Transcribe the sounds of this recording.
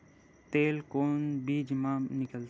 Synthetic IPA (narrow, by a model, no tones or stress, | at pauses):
t̪eːlkoːnbiːd͡ʒmaːmnɪkəlt̪